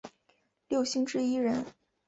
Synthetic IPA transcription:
ljo˥˩ʊɕi˥˧ŋʈ͡ʂɻ̩˥i˥ɻə˧˥n

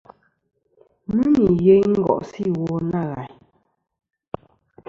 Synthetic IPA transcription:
mʉ˦mi˨je˦jŋ̩˦ɡɔ̰˨ʔsi˦˨wɔ˨na˦˨ɣa̰˨j

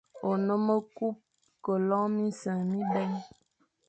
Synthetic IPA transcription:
o˨nə˦mə˦ku˦p̚ | kə˨lɔ˦ŋmi˦sə˨mi˦bɛ˦ɲ

